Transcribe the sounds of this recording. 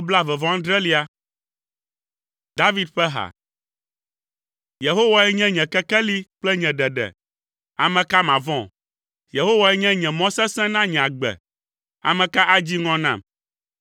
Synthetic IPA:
o˦bla˦vɛ˨vɔ̃˦ã˦d̪ɾɛ˦li˦a˦ | d̪a˦vi˦d̪̚ɸɛ˦ɦa̰˨ | je˨ɦo˦wa˨ɛ˦ɲɛ̃˦ɲɛ̃˨kɛ˦kɛ˦li˦k͡plɛ˦ɲɛ̃˨ɖɛ˨ɖɛ̰˨ | a˨mɛ̃˨ka˦mã˨vɔ̃˦˨ | je˨ɦo˦wa˨ɛ˦ɲɛ̃˦ɲɛ̃˨mɔ̃˦sɛ̃˦sɛ̃˦nã˦ɲɛ̃˨a˨ɡ͡bɛ̰˨ | a̰˨mɛ̃˨ka˦ʔa˦d͡ʑi˦ŋɔ̃˦nã̰˦˨m

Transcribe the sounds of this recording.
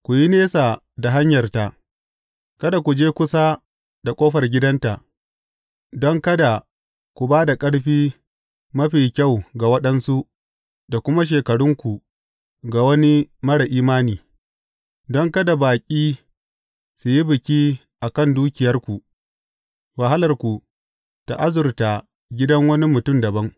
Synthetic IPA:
kʷu˨ji˦neː˦sa˨ | da˨ɦa˦ɲjɐ˨rta˨ʔ | kɐ˦da˨kʷu˨d͡ʒeː˦kʷʊ˦sa˦ | da˨kʷʼoː˦ɸɐ˨rɡʲɪ˦dɐ˦nta˨ʔ | dɔ˦ŋkɐ˦da˨ | kʷu˨baː˦da˨kʼɐ˦ɽɸiː˦ | mɐ˦ɸiː˨kʲa˦˨wɡa˨wɐ˦ɗɐ˦nsu˦ʔ | da˨kʷʊ˦ma˦ʃ̬eː˨kɐ˨ɽʊ˦ŋkʷu˨ | ɡa˨wɐ˦ni˦mɐ˦ɽa˨ʔiː˦maː˦niː˨ | dɔ˦ŋkɐ˦da˨baː˨kʲʼiː˦ | su˨ji˦bɪ˨kʲiː˦ | ʔa˨kɐ˦˨nduː˦kʲɪ˨jɐ˦rkʷu˨ | wa˨ɦa˦lɐ˨rkʷu˨ | ta˨ʔa˦zʊ˨rta˨ | ɡʲɪ˦dɐ˦ŋwɐ˦ni˦mʊ˨tʊ˦˨mdɐ˨bɐ˦ŋ

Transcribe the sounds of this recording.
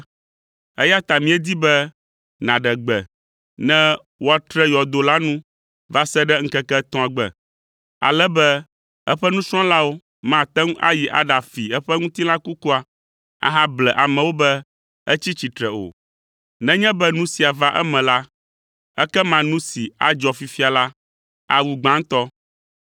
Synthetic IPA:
ɛ̰˦ja˦t̪a˨mĩ˦ɛ˦d̪i˦bɛ˦ | nã˨ɖɛ˨ɡ͡bɛ˨ | nɛ̃˦ | wo˦a˨t̪ɾɛ˦jɔ˨d̪o˨la˦nũ˦ | va˦sɛ˦ɖɛ˦ŋ̩˦kɛ˦kɛ˦t̪ɔ̃˦a˨ɡ͡bɛ̰˨ | a̰˨lɛ˦bɛ˦ | ɛ˦ɸɛ˦nũ˦sɾ̃ɔ̃˦la˦wo˦ | mã˨t̪ɛ˦ŋ˦a̰˦ji˨ʔa̰˨ɖa˨fi˨ɛ˦ɸɛ˦ŋũ˦t̪i˦la˦ku˦ku˦a˨ | a̰˨ɦa˦blɛ˨ʔa˨mɛ̃˨wo˦bɛ˦ | ɛ˦t͡ɕi˦t͡ɕi˨t̪ɾɛ˨o̰˨ | nɛ̃˦ɲɛ̃˦bɛ˦nũ˦si˨a˨va˦ʔɛ̰˦mɛ̃˨la˦ | ɛ˦kɛ˦mã˨nũ˦si˨a̰˨d͡ʒɔ˨fi˨fi˦a˨la˦ | a˨wu˨ɡ͡bã˦ŋ˦t̪ɔ˦

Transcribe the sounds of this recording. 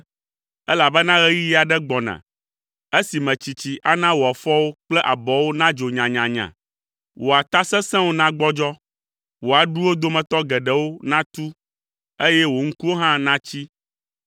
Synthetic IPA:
ɛ˦la˨bɛ˦nã˦ɣɛ˦ji˦ji˦a˨ɖɛ˦ɡ͡bɔ˨nã̰˨ | e˦si˨mɛ̃˨t͡ɕi˨t͡ɕi˨ʔa˦nã˦wo˨a˨fɔ˦wo˦k͡plɛ˦ʔa˨bɔ˨wo˦nã˦d͡ʒo˨ɲã˨ɲã˨ɲã̰˨ | wo˨a˨t̪a˦sɛ̃˦sɛ̃˦wo˦nã˦ɡ͡bɔ˦d͡ʒɔ˦ | wo˨a˨ɖu˦wo˦d̪o˦mɛ̃˨t̪ɔ˦ɡɛ˨ɖɛ˨wo˦nã˦t̪u˦ | e˦jɛ˦wo˨ŋ̩˦ku˦wo˦ɦã˦nã˦t͡ɕi˦

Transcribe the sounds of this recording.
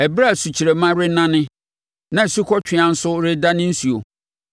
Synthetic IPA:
ɛ˨bɾa˦˨su˨t͡ɕʰi˨ɾe˨mã˦ɾɪ˦nã˦nɪ̃˦ | nã˨su˦kʰɔ˦t͡ɕᶣʰɪ̃˨ã˨n̩˦sʊ˦ɾɪ˦da˦nɪ̃˦n̩˦su˨o˨

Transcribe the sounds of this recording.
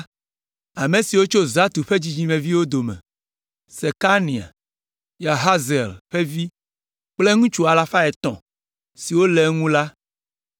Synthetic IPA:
a˨mẽ˨si˨wo˦t͡ʃo˦za˦t̪u˨ɸe˦d͡ʑi˦d͡ʑĩ˦mẽ˨vi˦wo˦d̪o˨mɛ̰̃˨ | se˨ka˦nĩ˨a̰˨ | ja˨ɦa˦ze˨lɸe˦vi˦ | k͡ple˦ŋũ˦t͡ʃu˦a˨la˨fa˦ɛ˨t̪ɔ̰̃˨ | si˨wo˦le˨ŋũ˦la˦

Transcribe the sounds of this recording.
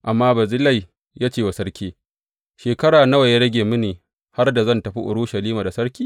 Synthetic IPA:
ʔa˨mːaː˦bɐ˨zɪ˦la˦˨j | jaː˦t͡ʃeː˦˨wa˨sɐ˦ɽkʲeː˦ | ʃeː˨kɐ˦ɽaː˨na˦wa˨ja˦ɾɐ˦ɡʲeː˨mʊ˦neː˨ | ha˦rda˨zɐ˦˨ntɐ˨ɸḭ˦ʔʊ̰˨ɽʊ˦ʃɐ˨liː˦maː˨da˨sɐ˦ɾkʲiː˦

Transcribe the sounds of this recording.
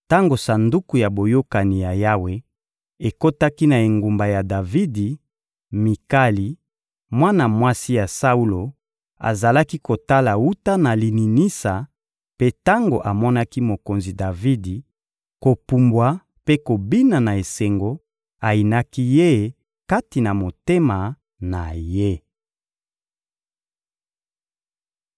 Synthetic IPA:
ta˦ŋɡo˨sa˨ndu˦ku˨ja˨bo˨jo˦ka˨ni˨ja˨ja˦we˦ | e˨ko˦ta˦ki˦na˨e˨ŋɡu˨mba˨ja˨da˨vi˦di˨ | mi˨ka˦li˨ | mwa˦na˨mwa˦si˦ja˨sa˦u˦lo˨ | a̰˨za˨la˦ki˦ko˨ta˦la˨u˦ta˦na˨li˨ni˨ni˦sa˨ | pe˦ta˦ŋɡo̰˨ʔa˨mɔ˦na˦ki˦mo˨ko˨nzi˨da˨vi˦di˨ | ko˨pu˨mbwa˨ | pe˦ko˨bi˦na˨na˨e˨se˨ŋɡo˦ | a˨i˨na˦ki˦je˦˨ | ka˦ti˨na˨mo˨te˦ma˨ | na˨je˦

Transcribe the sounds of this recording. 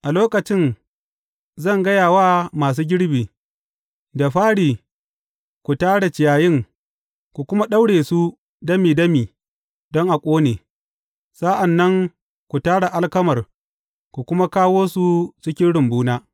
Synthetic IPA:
ʔa˨loː˦kɐ˨t͡ʃɪ˦˨n | zɐ˦˨ŋɡɐ˦jaː˨waː˦maː˨s̬uː˦ɡʲɪ˦ɽbiː˨ | da˨ɸaː˦ɽiː˨ | kʷu˨taː˦ɽa˨t͡ʃɪ˨jaː˨jɪ˦ŋ | kʷu˨kʷʊ˦ma˦ɗa˦wɽeː˨su˦ | dɐ˦miː˨dɐ˦miː˨ | dɔ˦ŋʔa˨kʷʼoː˦neː˨ | sa˦ʔa˨nːɐ˦ŋ | kʷu˨taː˦ɽa˨ʔa˦lkɐ˦mɐ˨r | kʷu˨kʷʊ˦ma˦kaː˦woː˦su˦t͡ʃɪ˦kʲɪ˦nɽɪ˨mbuː˦naː˦

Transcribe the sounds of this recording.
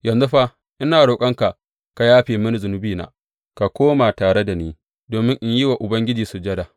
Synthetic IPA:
jɐ˨nzu˦ɸa˦ | ʔɪ˦naː˨ɽoː˨kʼɐ˦ŋka˨ʔ | ka˨jaː˦ɸeː˨mʊ˦ni˦˨zʊ˨nʊ˦biː˦na̰ː˨ | ka˨kʷoː˦ma˨taː˨ɽe˦da˨niː˦ | doː˨mɪ˦ŋʔɪ˦ɲji˦wa˨ʔʊ˨bɐ˦ŋɡʲɪ˦d͡ʒiː˨su˨d͡ʒɐ˦da˨

